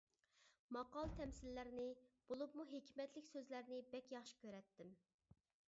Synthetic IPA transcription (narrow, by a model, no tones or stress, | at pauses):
mɑqɑlˠt̪ʰɛmsɪlːæɾnɪb̥olˠupmuɦekʲʰmɛt̪lɪkʲsøzlæɾnɪbɛkʲjɑχʃi̥kʲʰøɾɛt̪ʰːɪm